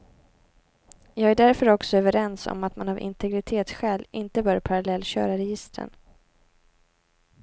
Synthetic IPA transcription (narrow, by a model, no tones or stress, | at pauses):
jɑːɡæɖæɾfœɾɔksɔœːvəɾɛnsɔ̰mat̪manavɪ̰nt̪ʰɛɡɾɪt̪ʰeːt̪sɧɛːlɪnt̪əbœːɾpʰaɾalɛlːɕœ̰ːɾaɾɛjɪst̪ɾə̰ɳ